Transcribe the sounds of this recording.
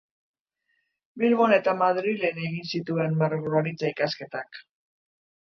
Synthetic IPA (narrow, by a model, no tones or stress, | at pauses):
bilβo̞ne̞t̪amaðɾile̞ne̞ɣinsit̪ue̞nmaɾɣɾoɾit͡saikaske̞t̪ak